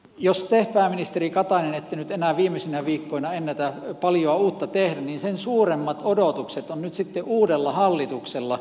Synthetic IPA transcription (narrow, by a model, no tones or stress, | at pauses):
jost̪ehpæːminist̪erikɑt̪ɑnenet̪ːenyt̪enæːˑʋiːmːˑesinæʋiːkːoinɑenːæt̪æpɑljoɑuːt̪ːɑt̪ehdænninsensuːremːɑt̪odot̪ukset̪onnyt̪sit̪ːeʔuːdelːɑhɑlːit̪ukselːɑ